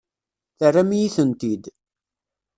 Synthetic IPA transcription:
θərːamijiθənt̪id̪

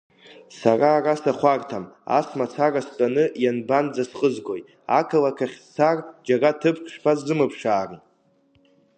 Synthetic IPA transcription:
saraːrasaχʷartʰama̰smat͡sʰarastʼanɨjanband͡zasqʼəzɡo̞j | akʰalakʰaχʲt͡sʰard͡ʒaratʰɨpʰkʰʂpʰazɨmɨpʰʂaːrn

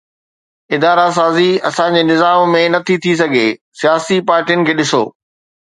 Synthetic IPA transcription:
ɪd̪aːɾas̬aːziɐ̰sãɲd͡ʑeːnɪzaːmːẽnɐt̪ʰit̪ʰis̬ɐɡʱesijaːsipaːɾʈijənɪ̆kʰeːɗɪso̰ː

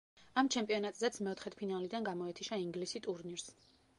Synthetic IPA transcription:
amt͡ʃʰɛmpʼiɔnat̪ʼzɛt̪sʰmɛɔt̪ʰχɛt̪̚ʰpʰinalid̪anɡamɔɛt̪ʰiʃaiŋɡlisit̪ʼuɾniɾs

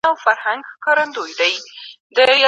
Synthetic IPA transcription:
awfaɾhaŋɡhkɑɾand̪ojd̪aj | d̪əj

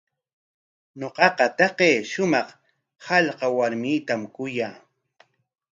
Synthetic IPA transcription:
ɲoqɑqɑt̪ɑqeːʃʊmɑχ | hɑʎqɑwaɾmiːt̪amkʊjaː

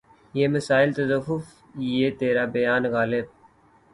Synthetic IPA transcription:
jeːməsaːɪlt̪əzəfʊf | jeːt̪eːɾaːbəjaːnɣaːlɪb̚

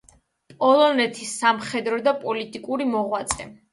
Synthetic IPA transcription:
pʼɔlˠɔnɛt̪ʰisːamχɛd̪ɾɔd̪apʼɔlit̪ʼikʼuɾimɔʁwat̪sʼɛ̰

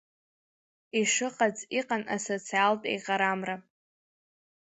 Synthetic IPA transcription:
iʂɨqʼad͡zʼiqʼana̰sot͡sʰialtʼḛjqʼaɾamra

